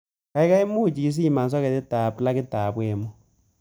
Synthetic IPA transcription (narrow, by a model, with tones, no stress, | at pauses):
ka˨i˦ka˦i˦mu˦˨t͡ʃi˨i˦s̬i˦˨ma˨ns̬a˦kɛ˨tɛ˦ta˨pla˦kɪ˦taː˨pwɛ˨mu˦